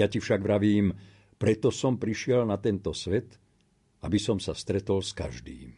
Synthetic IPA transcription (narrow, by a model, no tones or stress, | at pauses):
jacifʃaɡʋɾaʋiːm | pɾɛt̪ɔsɔmpɾiʃɪɛlnat̪ɛnt̪ɔsʋɛt̪ | ʔabisɔmsafst̪ɾɛt̪ɔlska̰ʒd̪ḭːm